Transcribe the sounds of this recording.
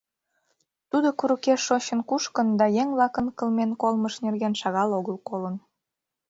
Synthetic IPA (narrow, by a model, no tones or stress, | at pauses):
t̪ud̪okuɾəkeʃːoɕənkuʃkənd̪ɑjeŋβlɑkənkə̆lmenkolməʃnerɣenʃɑɣɑloɣəlˠkolən